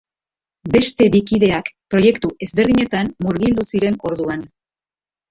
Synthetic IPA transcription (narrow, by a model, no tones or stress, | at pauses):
be̞st̪e̞βikiðe̞akpɾo̞je̞kt̪uʔe̞zβe̞ɾðiɲe̞t̪anmuɾɣild̪usiɾe̞no̞ɾðuan